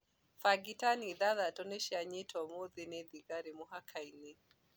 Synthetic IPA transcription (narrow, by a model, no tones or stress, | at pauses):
faɡitaniðaðatɔnɛʃiaɲitʰɔmoðinɛðiɡaɾimuɦakʰainɛ